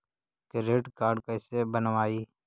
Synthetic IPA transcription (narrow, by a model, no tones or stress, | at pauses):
keɾeːʈkaːɾɖkəɪsebənʋaːiː